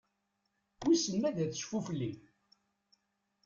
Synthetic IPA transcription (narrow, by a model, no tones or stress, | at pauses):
wisəmːæðæθə̥ʃfufəlːi